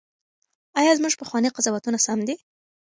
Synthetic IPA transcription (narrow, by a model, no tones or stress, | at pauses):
ajɑzmuʒpəxwɑniqazɑwat̪unasamd̪i